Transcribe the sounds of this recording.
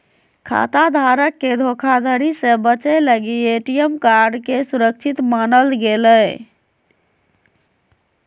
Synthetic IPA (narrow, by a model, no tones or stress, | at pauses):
kʰa̰t̪ad̪ʱaɾəkːed̪ʱokʰad̪ʱəɾisẽbət͡ʃələɡieʈijəmkaɾɖkesuɾək̚t͡ʃʰit̪manəlɡeləj